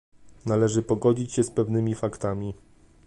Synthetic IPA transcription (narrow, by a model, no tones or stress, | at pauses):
nalɛʐɘpɔɡɔd͡ʑit͡ɕɕɛspɛvnɘmʲifakt̪amʲi